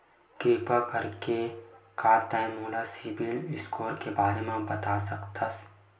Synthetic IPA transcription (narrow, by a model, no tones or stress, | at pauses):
kɾiːpakɐɾkekaːɾt̪ãːmuːlasɪbilɪskʰoːɾkebaːɾemẽbɐt̪asɐkt̪ʰas